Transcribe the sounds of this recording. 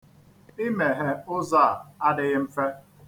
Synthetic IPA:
i˦me˨ɦe˨ʊ˦za˦˨a˦dɪ˨ɣɪ˦m̩˦fe˦

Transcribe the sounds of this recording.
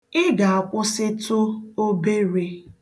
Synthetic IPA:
ɪ˦ɡa˨a˨kʷʊ˦sɪ˦tʊ˦o˦be˦ɾe˦

